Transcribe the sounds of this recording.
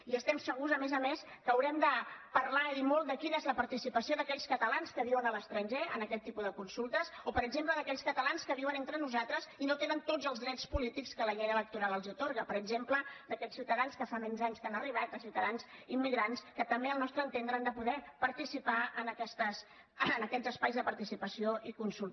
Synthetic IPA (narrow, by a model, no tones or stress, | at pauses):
iəst̪ɛmsəɣuzəmɛzəmes | kəːwɾɛmd̪əpəɾlaiðimolˠt̪d̪əkinəezləpəɾt̪isipəsioðəkɛʎskət̪əlanskəβiwənələst̪ɾəɲʲʒeənəkɛt̪ːipuðəkunsulˠt̪əsopəɾəɡzempləðəkɛʎskət̪əlanskəβiwənent̪ɾənuzat̪ɾəzinot̪enənt̪od͡zəlˠzðɾɛspulit̪ikskələʎɛɾələk̚t̪uɾalˠəlˠziut̪oɾɣəpəɾəɡzempləd̪əkɛʎsiwt̪əðanskəfamɛɲzaɲskanəriβ̞at̪̚əsiwt̪əðanzimːiɣɾanskət̪əmbeəlˠnɔst̪ɾənt̪end̪ɾəand̪əpuðɛpəɾt̪isipaənəkɛst̪əsː | nəkɛzəspajzðəpəɾt̪isipəsioikunsulˠ